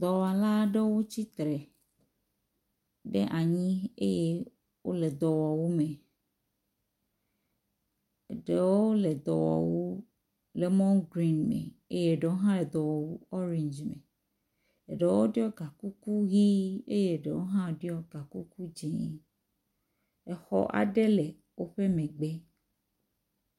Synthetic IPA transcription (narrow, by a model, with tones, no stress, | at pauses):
d̪ɔ˨wɔ˨a˨la˦ɖe˦wo˦t͡ɕi˦t̪ɾe˨ | ɖḛ˦ʔa˨ɲĩ˦e˦je˦ | wo̰˦le˨d̪ɔ˨wɔ˨wu˦mẽ˨ | ɖe˨wo˦le˨d̪ɔ̰˨wɔ̰˨wu˦ | le˨mɔ̃˦ŋɡɾi˦nmḛ˨ḛ˦je˦˨ɖe˨wo˦ɦã˦le˨d̪ɔ˨wɔ˨wu˦ɔ˦ɾĩ˨ɲd͡ʒmḛ̃˨ | e˨ɖe˨wo˦ɖi˦ɔ˦ɡa˨ku˦ku˦ɣi˦e˦je˦˨ɖe˨wo˦ɦã˦˨ɖi˦ɔ˦ɡa˨ku˦ku˦d͡ʒe˨˦ | e˨xɔ̰˦ʔa̰˨ɖe˦le˨ | wo˦ɸe˦mẽ˨ɡ͡be˦